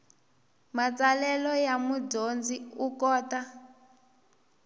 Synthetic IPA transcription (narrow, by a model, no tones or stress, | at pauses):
mat͡salɛlɔjamud͡ʒond͡ziukɔːta